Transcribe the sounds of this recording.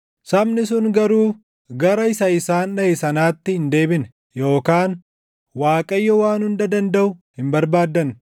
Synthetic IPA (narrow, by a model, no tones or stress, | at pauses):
sɐmnɪs̬ʊŋɡɐɾuː | ɡɐɾɐɪsɐɪsaːnnɐɪsɐnaːt̪ːɪhɪnd̪e̞ːbɪn | jo̞ːkaːn | waːkʼɐjːɔwaːnhʊnd̪ɐd̪ɐnd̪ɐʔʊhɪmbɐɾbaːd̪ːɐn